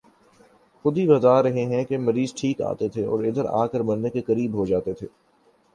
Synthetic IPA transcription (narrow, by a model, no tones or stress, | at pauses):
xʊd̪ʱibɐzaːɾɐɦeɦɛ̃kemɐɾiːzʈʰiːka̰ːt̪et̪ʰeɔ̰ːɾɪd̪əɾa̰ːkəɾmɐɾnekekɐɾiːbɦod͡ʒaːt̪et̪ʰeː